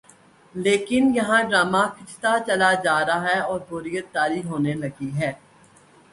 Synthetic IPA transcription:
leːkɪnjɐɦãɖɾaːmakʰɪt͡ʃʰt̪at͡ʃɐlad͡ʒaːɾaɦɛɔːɾbʊɾijət̪̚ːaːɾiɦoːnelɐɡiɦɛː

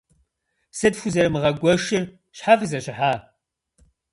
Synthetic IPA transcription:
sɐdfʷuzɐɾɨmɨʁɐɡʷɔʃɪr | ɕħaːvɨzɐɕɪħaː

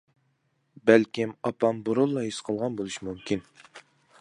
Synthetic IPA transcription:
bælkʲimɑpɑmboɾolˠːɑɦisqʰəlˠʁɑnbolˠuʃimumkʲin

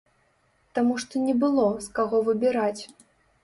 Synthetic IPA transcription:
t̪amuʂt̪ɔnʲɛbɨlˠɔskaɣɔvɨbʲiɾat͡sʲ

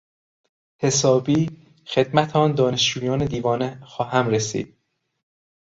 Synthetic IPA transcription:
he̞sɒːbiː | xe̞d̪mæt̪ʰɒːnd̪ɒːneʃd͡ʒuːjɒːned̪iːvɒːnexɒːɦæmɾesḭːd̪̥̚

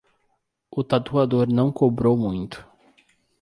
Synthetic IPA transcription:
ʊt̪at̪uad̪oɾnɐ̃w̃kobɾowmũj̃t̪ʊ̥

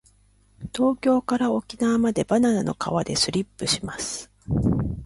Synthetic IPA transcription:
t̪o̞ːkʲo̞ːkaɾao̞kʲinaβːmad̪e̞bananano̞̰ka̰βad̪e̞sɨɾʲipːɯ̟ɕimasɨ̥

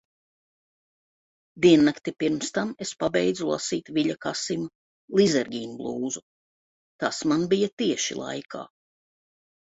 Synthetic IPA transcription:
d̪iɛnːakt̪ipiɾmst̪amespabɛjd̪zulˠa̰siːt̪viʎakasimu | lˠizɛɾɡʲiːnblˠuːzu | t̪asmanbijat̪iɛʃḭlˠa̰jkʰa̰ː

